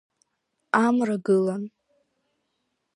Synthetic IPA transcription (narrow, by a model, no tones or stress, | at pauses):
amraɡɨlan